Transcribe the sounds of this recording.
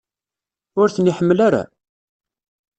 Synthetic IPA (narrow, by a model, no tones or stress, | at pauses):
ʊɾθəniħəmːlaɾa̰